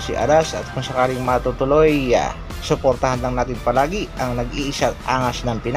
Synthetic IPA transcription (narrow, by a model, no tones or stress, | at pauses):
sɪʔa̰d̪asɐ̰t̪̚kʊŋsɐkaːlɪŋmɐt̪ut̪ʊloj̰ | sʊpoɾt̪ɐhanlaŋnaːt̪ɪnpɐlaːɡiʔɐŋnɐɡʔiʔɪsat̪̚ʔaːŋasnɐŋpɪn